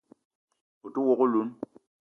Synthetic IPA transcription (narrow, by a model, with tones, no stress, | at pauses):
o˨tu˦wɔ˦ko˦lu˨˦n